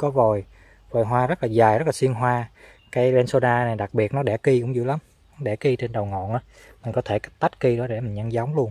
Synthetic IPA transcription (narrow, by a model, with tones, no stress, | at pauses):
kɔ˨˦vo˨˩j | vəː˨˩jɦwaː˧zə˦˥laː˨˩zaː˨˩jɾə˦˥t̚laː˨si˧ənɦwaː˧ | kaː˨˦jɓɛ˧nso˧ɗaː˧na˨˩jɗa˨˩k̚ɓi˨˩ət̚nɔ˨˦ɗɛ˧˩ki˧kʊ̰˧˥ŋ͡mzṵ˧˨˦la˨˦m | nɔ˨˦ɗɛ˧˩ki˧t͡ɕe˧nɗə˨˩wŋɔ̰˧˨nʔaː˨˦ | mï˨˩n̟kɔ˨˦t̪ʰe˧˩ka˦˥k̚t̪a˦˥t̚ki˧ɗɔ˨˦ɗe˧˩mï˨˩ŋ̟ɲə˧nza˨˦wŋ͡mlu˧ən